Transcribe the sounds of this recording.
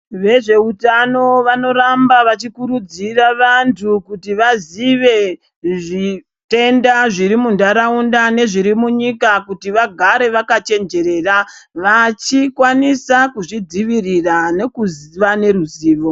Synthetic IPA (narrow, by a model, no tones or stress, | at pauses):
ʋe̞ʐe̞utano̞ʋano̞ɾambaʋat͡ʃikuɾud͡ziraʋantʰukutiʋaziʋe̞ | ʐi | te̞ndaʐiɾimundaɾaundane̞ʐiɾimuɲikakutiʋaɡʱaɾe̞ʋakat͡ʃe̞nd͡ʒe̞ɾe̞ːraʋat͡ʃikwanisakuʐid͡ziʋirirane̞kuziʋane̞ruziːʋo̞